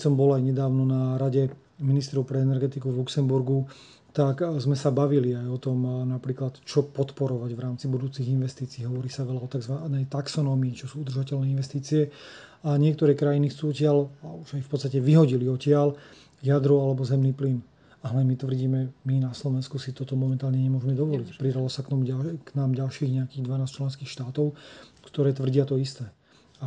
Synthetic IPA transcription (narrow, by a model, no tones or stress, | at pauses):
kɛsɔmbɔlajɲɛd̪aːʊnɔnaɾaɟɛ | minist̪ɾɔʊpɾɛɛnɛɾɡɛt̪ikuvluksɛmbuɾɡu | t̪akzmɛsabaʋiliajɔt̪ɔmnapɾiːklat̪t͡ʃɔpɔt̪pɔɾɔʋaɟʋɾaːmt͡sibud̪uːt͡siɣinʋɛst̪iːt͡siːɦɔʋɔɾiːsaʋɛlaɔt̪aɡzʋanɛjt̪aksɔnɔːmiːt͡ʃɔsuːud̪r̩ʒacɛlnɛːinʋɛst̪iːt͡siɛ | aɲɪɛk̚t̪ɔɾɛːkɾajinixt͡suːɔcɪalauʒajfpɔt̪st̪acɛʋiɦɔɟiliɔcɪal | jad̪ɾualɛbɔzɛmniːplin | aɦlɛmit̪ʋr̩ɟiːmɛminaslɔʋɛnskusit̪ɔt̪ɔmɔmɛnt̪aːlɲɛɲɛmʊɔʒmɛd̪ɔʋɔlicpɾid̪alɔsak̪ɔmuɟaknaːmɟalʃiːɣɲɛakiːɣd̪ʋanaːst͡ʃlɛnskiːxʃt̪aːt̪ɔʊkt̪ɔɾɛːt̪ʋr̩ɟɪat̪ɔist̪ɛː | a